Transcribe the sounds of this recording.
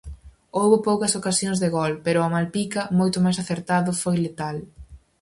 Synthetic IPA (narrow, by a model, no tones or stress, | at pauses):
owβʊpowkɐsokasjoŋzðeɣɔlpeɾʊɐmalpikɐmojt̪ʊmajsaθeɾt̪aðʊfojlet̪al